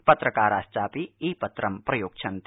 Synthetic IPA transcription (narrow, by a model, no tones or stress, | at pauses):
pɐt̪ɾɐkaːɾaːst͡ʃaːpiiːpɐt̪ɾɐmpɾɐjoːk̚t͡ʃʰɐnt̪